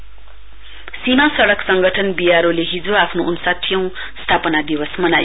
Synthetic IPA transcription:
simasʌɽʌksʌŋɡʌʈʰʌnbijaɾoleɦid͡zoapʰnounusat̪ʰijʌ̃w̃ | st̪ʰapʌnad̪iwʌsmʌnajo

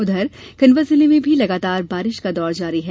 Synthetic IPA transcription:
ʊd̪ʱəɾkɐnʋəsɪlimẽbʱilɐɡaːt̪aːɾbaːɾɪʃkad̪ɔːɾd͡ʒaːɾiɦɛː

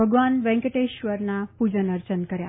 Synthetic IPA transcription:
bʱəɡʋanʋɛ̃ŋkəʈeʃʋəɾnapud͡ʒənəɾt͡ɕənkəɾja̰

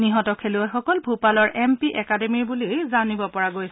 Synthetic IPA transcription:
niɦɔtɔkʰeluɛxɔkɔlbʱupalɔɹʔɛmpiʔɛkademiɹbulizanibɔpɔɹaɡoj

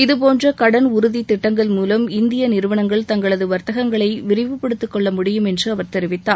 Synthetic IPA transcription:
ɪðɯp̬oːndrɐkɐɽɐnʊɾʊðit̪ːɪʈːɐŋɡɐɭmuːlɐmɪnd̪ɪjɐnɪɾɯʋɐnɐŋɡɐɭt̪ɐŋɡɐɭɐðɯʋɐɾt̪ɐɣɐŋɡɐɭɐɪʋɪɾɪʋɯpːɛɽɯt̪ːɯkːɔɭːɐmʊɽɪjɯmɛndrɯɐʋɐɾt̪ɛɾɪʋɪt̪ːaː

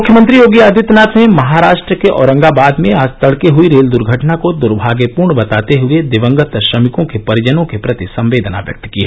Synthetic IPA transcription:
mʊkʰjəmə̃nt̪ɾijoːɡiɐd̪ʱɪt̪naːt̪mẽmɐɦaɾaːʃʈɾəkeʔɔ̰ːɾə̃ŋɡabaːd̪mẽaːst̪ɐɽkeɦʊiɾeːld̪ʊɾɡʱəʈnakod̪ʊɾbʱaːɡjəpuːɾɳbɐt̪aːt̪eɦʊed̪ɪʋə̃ŋɡət̪əʃɾɐmɪkõkepɐɾɪd͡ʒənõkepɾɐt̪isɐ̃mʋeːd̪ʱna̰ʋjɐ̰k̚t̪kiɛ

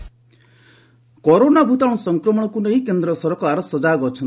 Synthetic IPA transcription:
kɔɾonabʱut̪aɽ̃ɔsɔŋkɾɔmɔɽ̃ɔkuneɦĩkend̪ɾɔsɔɾɔkɔaɾɔsɔd͡ʒaɡɔɾt͡ʃʰɔn

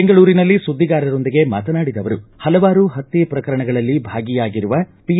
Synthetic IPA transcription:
eŋɡɐɭuːɾinɐlːisud̪ʱːiɡaːɾɐɾo̞nd̪iɡe̞ma̰ːt̪ɐnaːɽid̪ɐʋɐɾṵhɐlɐʋaːɾuɦɐt̪ːipɾɐkɐɾɐɳɐɡɐɭɐlːibʱaːɡijaːɡiɾuʋɐpi

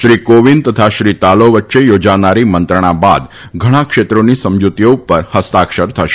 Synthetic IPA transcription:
ʃɾikoʋint̪ət̪ʰaʃɾit̪aloʋətːʃejod͡ʒanaɾimənt̪ɾəɽ̃aba̰d̪ | ɡʱəɽ̃ãkʃet̪ɾonisəmd͡ʒut̪ijoupəɾhəst̪akʃəɾt̪ʰəʃe̥

